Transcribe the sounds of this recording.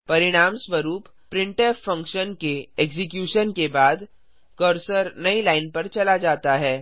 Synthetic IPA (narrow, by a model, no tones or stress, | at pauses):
pɐɾɪɽ̃aːmsʋəɾuːp | pɾɪ̃ɳʈeːfɐ̃ŋkʃənkeeːkzɪkjuːʃənkebaːd̪ | kəɾsəɾnɐilaːɪnpɐɾt͡ʃɐlad͡ʒaːt̪aɦɛː